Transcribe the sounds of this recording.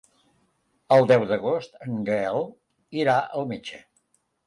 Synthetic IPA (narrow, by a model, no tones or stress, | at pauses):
əlˠd̪ɛwðəɣost̪əŋɡɛlˠ | iɾaʔəlˠmed͡ʒə